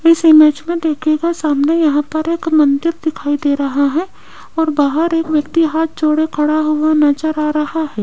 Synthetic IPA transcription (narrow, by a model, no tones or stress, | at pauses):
ɪsɪmɛːd͡ʒmẽd̪eːkʰekasaːmnajɐɦãpɐɾeːkmɐ̃nd̪ɪɾd̪ɪkʰaːid̪eːɾɐɦaɦɛ | ɔːɾbaːɦəɾeːkʋjɐkt̪iɦaːt̪̚ʰt͡ʃoːɽekʰɐɽaɦuanɐt͡ʃəɾaːɾɐɦaɦɛː